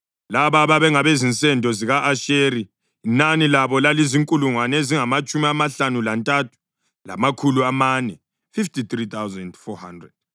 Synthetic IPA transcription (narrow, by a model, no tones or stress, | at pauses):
laβaβaβɛŋaβezint͡sʼɛndʱɔziɣaʔaʃeɾiː | nanilaβɔlaliziŋkʼuluŋwaneziŋamat͡ʃʼumiamaɬanulantʼatʰu̥ | la̰makʰuluamanɛ | fiftʰʼit̪rit̪ʰawzɛndfɔhandrɛ̰d̥̚